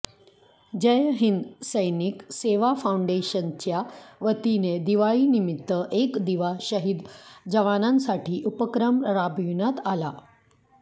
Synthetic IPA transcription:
d͡ʑəjɦind̪səjnikseʋafauɳɖeɕənt͡ɕjaʋət̪ined̪iʋaɭiːnimit̪ːəʔekd̪iʋaɕəɦid̪d͡ʑəʋanãnsaʈiːʔupəkɾəmɾabjunat̪ala

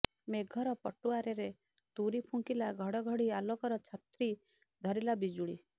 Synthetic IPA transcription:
meɡʱɔɾɔpɔʈuaɾeɾe | t̪uɾipʰuŋkilaɡʱɔɽɔɡʱɔɽialokɔɾɔt͡ʃʰat̪ɾi | d̪ʱɔɾilabid͡ʒuɽḭ

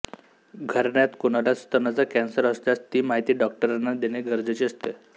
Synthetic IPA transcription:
ɡʱəɾɳjat̪kunalat͡st̪ənat͡sakɛnsəɾəst̪jat͡st̪iːmaɦit̪iːɖɔk̚ʈəɾanːad̪eneɡʱəɾd͡zet͡ɕeəst̪e

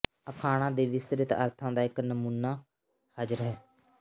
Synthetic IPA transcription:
əkʰaːɽ̃ãːd̪eːʋɪst̪əɾɪt̪ə̰ɾt̪ʰãːd̪aːɪknəmuːnːaː | həd͡ʒəɾɦɛː

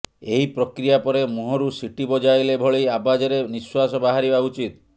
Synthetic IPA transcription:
eɦipɾɔkɾijapɔɾemuɦɔɾusiʈibɔd͡ʒajlebʱɔɭejabad͡ʒeɾeniswasɔbaɦaɾibaut͡ʃit̪

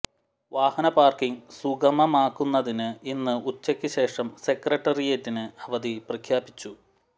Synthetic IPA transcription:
ʋaːhɐnɐpaːrkiŋsuɡɐmɐmaːkːunːɐðinɨinːɨut͡ɕːɐkʲːɨɕe̞ːʂɐmse̞krɐʈːɐrijetːinɨɐʋɐðiprɐkʰjaːbit͡ɕːu

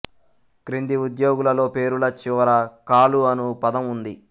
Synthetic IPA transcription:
kɾind̪iud̪jo̞ːɡulɐlo̞ːpe̞ːɾulɐt͡ʃɪʋɐɾɐkaːluɐnupɐd̪ɐmund̪i

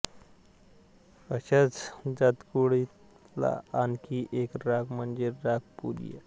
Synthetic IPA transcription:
əɕat͡sd͡zat̪kuɽi | la̰ankiʔekɾaɡməɳd͡zeɾaɡ̚pṵɾḭjḛ

